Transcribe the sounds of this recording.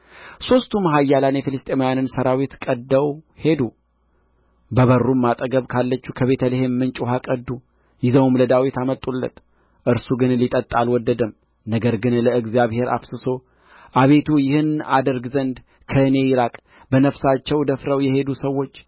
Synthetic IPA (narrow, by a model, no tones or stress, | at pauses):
so̞st̪ʰumɦajːalanjɛfilɨst̪ʼemojanɨnsəɾawit̪kʼəd̪ːəwhe̞d̪u | bəβərːumːat̪ʼəɡəβkʰalːət͡ʃːukʰəβe̞t̪ʰəlihemːɨnt͡ʃʼuɦakʼəd̪u | jɪzəwmləd̪awit̪amət̪ʼːulːə̰t̪ | ʔɨɾsuɡɨnlit̪ʼət̪ʼːalwɔd̪ːəd̪əm | nəɡəɾɡɨnləɨɡzijaβhe̞ɾʔa̰fsɨso̞ | ʔaβe̞t̪ʰujɪhɨna̰d̪əɾɡzənd̪ | kʰəɨne̞jɪɾakʼ | bənəfsat͡ʃːɛwd̪əfɾəwjɛhe̞d̪usəwːo̞t͡ʃː